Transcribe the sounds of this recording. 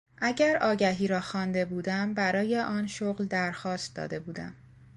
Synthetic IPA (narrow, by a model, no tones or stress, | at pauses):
ʔæɟæɾɒːɟæɦiːɾɒːxɒːnd̪e̞buːd̪æmbæɾɒːjeʔɒːnʃoɣld̪æɾxɒːst̪̚d̪ɒ̰ːd̪e̞buːd̪æ̰m